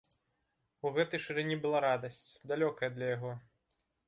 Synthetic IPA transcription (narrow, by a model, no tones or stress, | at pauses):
uɣɛt̪ɐjʂɨɾɛnʲibɨlˠaɾad̪ɐsʲt͡sʲd̪alʲɔkɐjɐd̪lʲɐjaɣɔ